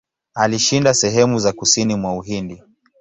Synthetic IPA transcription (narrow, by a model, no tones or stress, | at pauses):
aliʃindasɛɦɛmuzakusinimwauɦindi